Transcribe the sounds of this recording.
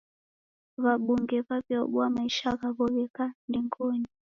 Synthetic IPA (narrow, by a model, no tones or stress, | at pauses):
βaɓuŋɡɛβavjɔɓwamaiʃaɣaβɔɣɛkandiŋɡɔni